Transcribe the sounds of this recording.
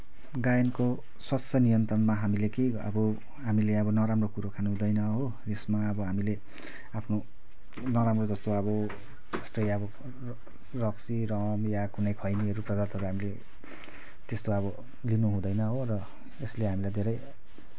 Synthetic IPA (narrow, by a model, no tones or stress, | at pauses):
ɡajʌnko | swasʰjʌnijʌnt̪rʌnmaɦamilekeʌ̰bʌ | ɦamileʌbʌnʌɾamrokuɾokʰanuɦũd̪ʌjnʌɦo | esmaʌbʌɦamile | apʰno | nʌɾamrod͡zʌst̪oʌbʌ | sʈʌjʌbʌ | rʌksiɾʌ | mjakunʌjkʰʌjniɦʌɾuprʌd̪at̪ɦʌɾuɦamile | t̪est̪oʌbʌ | linuɦũd̪ʌjnʌɦorʌ | esleɦamilajd̪ʱeɾʌj